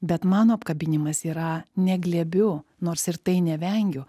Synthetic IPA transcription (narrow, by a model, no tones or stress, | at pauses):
bʲɛt̪mɑːnoːɐpkɐbʲɪnʲɪmɐsiːɾɐnʲɛɡlʲeːbʲʊnoːɾsɪɾt̪ɐɪnʲɛʋʲɛŋʲɡʲʊ